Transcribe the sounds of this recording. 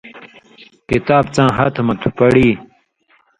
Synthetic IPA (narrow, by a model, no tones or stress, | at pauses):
kit̪aːb̚t͡sãːɦɐt̪ʰmɐt̪ʰu̥pɐɽiː